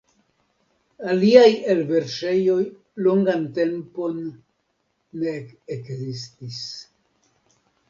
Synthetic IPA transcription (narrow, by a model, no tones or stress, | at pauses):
aliajelve̞ɾʃe̞jo̞j | lo̞ŋɡante̞mpo̞n | e̞ːkzistis